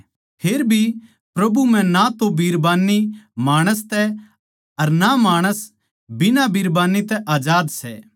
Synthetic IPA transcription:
pʰeːɾbʱi | pɾɐbum̤ɛ̃nat̪obiːɾbaːnːimaːɽ̃əs̬t̪ɛ | ɐɾnamaːɽ̃əs | bɪnabiɾbaːnit̪ɛʔaːd͡ʒaːd̪sɛ̰ː

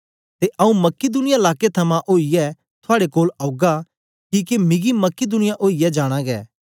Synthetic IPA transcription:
t̪eʔɐũmɐkːɪd̪ʊnɪjaɪlaːket̪ʰɐmãʔoːijɛ | t̪ʰʊaːɽekoːlaɡa | kiːkemɪ̃ɡimɐkːid̪ʊnɪjaʔoːijɛd͡ʒaːɽ̃ãɡɛ̰ː

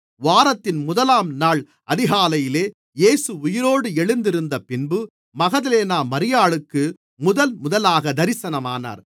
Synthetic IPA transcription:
ʋaːɾɐt̪ːɪnmʊðɐlaːmnaːɭ | ʔɐðɪɣaːlɐjɪleː | jeːsɯʊjɪɾoːɽɯɛɭɯnd̪ɪɾɯnd̪ɐpɪnbɯ | mɐɣɐðɐleːnaːmɐɾɪjaːɭɯkːɯ | mʊðɐlmʊðɐlaːɣɐd̪ɐɾɪsɐnɐmaːna̰ːɾ

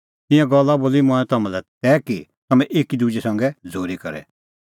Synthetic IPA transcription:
t̪ɪ̃jãɡɐlːaboːlimʊ̃ɛ̃t̪ɐmãlɛt̪ɛːkit̪ɐmɛ̃ʔeːkid̪ud͡ʒɛsɐ̃ŋɡɛd͡zʱoːɾikɐ̰ɾɛ̰

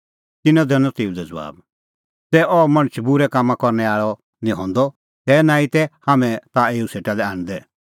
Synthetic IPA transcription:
t̪ɪnɔ̃d̪ɛnɔ̃t̪eːud̪ɛd͡zʋa̰ːb | sɛːʔɔmɐ̃ɽ̃ət͡ʃʰbʊɾɛkaːmːãkɔɾnɛaːɭɔ | nĩɦɔ̰̃ːnd̪ɔ | t̪ɛːnãːĩt̪ɛhaːmɛ̃t̪aeːuseːʈalɛaːñd̪ɛ

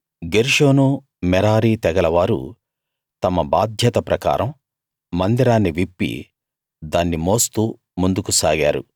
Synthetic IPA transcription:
ɡeɾʂo̞ːnu | mɛɾaːɾiːt̪ɛɡɐlɐʋaːɾṵ | t̪ɐmɐbaːd̪ʱjɐt̪ɐpɾɐka̰ːɾɐmː | ɐnd̪iɾaːnːiʋipːḭ | d̪aːnːimo̞ːst̪uː | mund̪ukusaːɡaːɾṵ

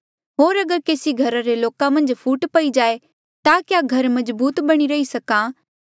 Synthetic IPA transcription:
ɦoːɾɐɡəɾkeːsiɡʱɐɾaɾeloːkãmɐ̃nd͡ʒpʰuːʈpɐid͡ʒaːe | t̪akjaɡʱɐɾmɐ̃zbuːt̪bɐɽ̃iɾɐisɐkã

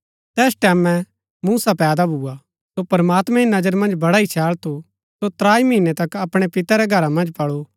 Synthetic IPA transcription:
t̪ɛːsʈɛːmɛ̃ | muːsapɛːd̪abʱuːa | sopɐɾmaːt̪mɛ̃inɐd͡ʒəɾmɐ̃nd͡ʒbɐɽaːit͡ʃʰɛːɭt̪ʰu | sot̪ɾaːimiːnet̪ɐkɐpɽ̃epɪt̪aɾɛɡʱɐɾamɐ̃nd͡ʒpɐɽo

